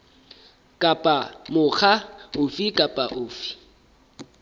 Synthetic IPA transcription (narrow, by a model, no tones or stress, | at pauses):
kʼapʼamʊχʰaʊfikʼapʼaʔʊːfi̥